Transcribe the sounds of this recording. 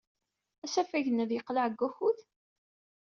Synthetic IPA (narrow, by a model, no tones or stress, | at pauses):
æsæfæʝənæðjəqlaʕəɡːæxuθ